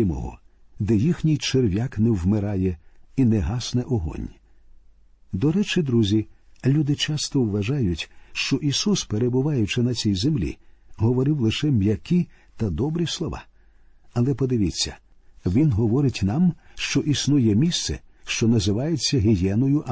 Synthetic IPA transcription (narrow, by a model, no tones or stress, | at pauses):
ɪmɔ̰ɦɔ̰ | d̪ɛjixnʲijt͡ʃerʋʲaknɛwmɪɾɑjɛinɛɦɑsnɛʔɔɦɔ̰nʲ | d̪ɔɾɛt͡ʃɪd̪ɾuzʲilʲud̪ɪt͡ʃast̪ɔwʋɐʒajʊtʲʃt͡ʃɔʔisuspeɾebʊʋɑjʊt͡ʃɪnɐt͡sʲijzemlʲḭɦɔʋɔɾɪwlˠɪʃɛmjɐkʲi | t̪ɐd̪ɔbɾislˠɔʋɑ̰ | ɐlˠɛpɔd̪ɪʋʲit͡sʲːɐ̰ | ʋʲinɦɔʋɔɾɪtʲnɑmʃt͡ʃɔʔisnujɛmʲist̪sɛ̰ʃt͡ʃɔnɐzɪʋɑjet͡sʲːɐɦɪjɛnɔjʊʔ